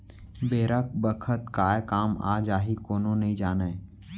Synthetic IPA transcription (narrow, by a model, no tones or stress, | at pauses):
beːɾək̚ʰbəkʰət̪kaːekaːma̰ːd͡ʒaːɦikoːnõnəɦĩd͡ʒaːneː